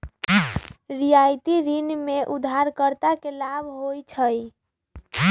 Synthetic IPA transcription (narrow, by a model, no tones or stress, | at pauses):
ɾijajt̪iɾinmeʔud̪ʱːaɾkəɾt̪akelabʱɦojt͡ʃʰəj